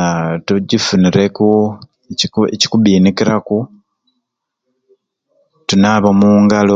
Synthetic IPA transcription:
tuɟifuniɾeku | eci̥kuβiːnikiɾaku | tunaβomuːŋɡalo

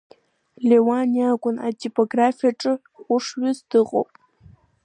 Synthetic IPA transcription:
lewanjaːkʷʊna̰tipʼoɡɾaːfiɐʈ͡ʂʼɨ | χʷʊʂwɪzdɨʁo̰pʼ

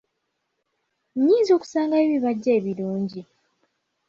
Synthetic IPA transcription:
ɲːiːzio̞ːku̥saːŋɡaeβiβaɟːeːβiluːɲɟi

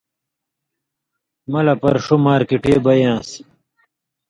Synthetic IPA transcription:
mɐlɐpɐɾʂumaːɾkiʈeːbɐjãːs

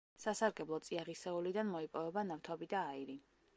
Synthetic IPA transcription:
sasaɾɡɛblˠɔt̪sʼiaʁisɛulid̪anmɔipʼɔvɛbanaft̪ʰɔbid̪aːiɾi

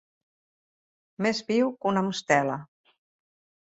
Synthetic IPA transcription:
mezβiwkunamust̪ɛlə

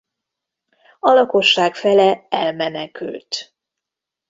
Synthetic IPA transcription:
ɒlɒko̞ʃːaːkfɛlɛɛlmɛnɛky̰lt̪

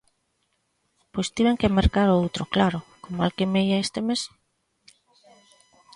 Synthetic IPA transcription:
pojst̪iβeŋkemeɾkaɾowt̪ɾoklaɾokomalkemejaest̪emes

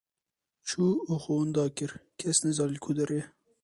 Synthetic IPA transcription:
t͡ʃʰuːoxowʊnd̪ɑːkɨɾkʰɛsnɛzɑːlilkʰud̪ɛɾe

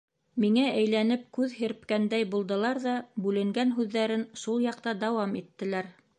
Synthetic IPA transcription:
miŋæʔæjlænɘp̚kʉðhɘ̆ɾpkænd̪æjbulˠd̪ɤ̆lˠɑɾðɑbʉlɘ̆ŋɡænɦʉðːæɾɘnʃulˠjɑq̚t̪ɑd̪ɑwɑmit̪ːɘ̆læɾ

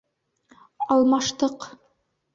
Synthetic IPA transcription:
ɑlˠmɑʃt̪ɤq

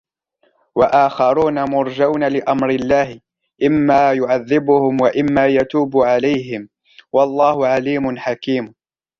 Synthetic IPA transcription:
waʔaːxɑɾˤuːnamʊɾˤd͡ʒawnalɪʔamɾɪlːaːhɪ | ʔɪmːaːjʊʕaðːɪbʊhʊmwaʔɪmːaːjat̪uːbʊʕalajɦɪm | wɑlˤːɑːhʊʕaliːmʊnħakiːm

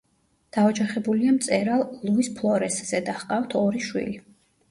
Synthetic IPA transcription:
d̪̥aɔd͡ʒaχɛbuliamt̪sʼɛɾalˠːuispʰlˠɔɾɛsz̥ɛd̪aχqʼawt̪ʰɔɾiʃwḭli

